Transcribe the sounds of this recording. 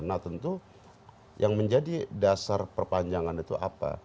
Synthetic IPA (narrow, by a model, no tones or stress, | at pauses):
nat̪ənt̪u | jʔaŋməɲd͡ʒadidasarpərpaɲd͡ʒaŋanit̪uʔa̰pa̰